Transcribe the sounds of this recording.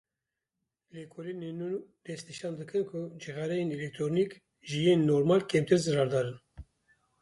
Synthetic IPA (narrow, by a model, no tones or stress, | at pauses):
lekʰolinenunud̪̥ɛst̪niʃɑːnd̪ɨkʰɨnkʰʊd͡ʒiɣɑɾɛjenelɛk̚t̪ɾonik | ʒijeːnːoːɾmɑːlkʰɛmt̪ʰɨɾzɨrɑːɾd̪ɑːɾɨn